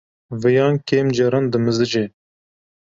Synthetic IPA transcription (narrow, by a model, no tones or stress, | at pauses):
vɨjɑːnkeːmd͡ʒɛɾɑnd̪ɨmɨzɨd͡ʒe